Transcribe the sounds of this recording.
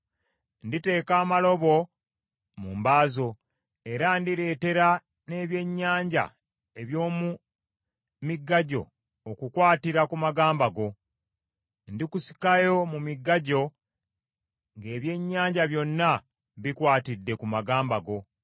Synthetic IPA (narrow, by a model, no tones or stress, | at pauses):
ndite̞ːkaːmalo̞βo̞ | mumbaːzo̞ | e̞ɾandiɾe̞ːte̞ɾa | ne̞ːβje̞ɲːaːɲɟa̰ | e̞βjo̞ːmu | miɡːaɟo̞̰ | okukwaːtiɾakumaɡaːmbaɡo̞ | ndikusi̥kajo̞mumiɡːaɟo̞ | ŋɡe̞ːβje̞ɲːaːɲɟaβjo̞nːa | βikwaːtidːe̞kumaɡaːmbaɡo̞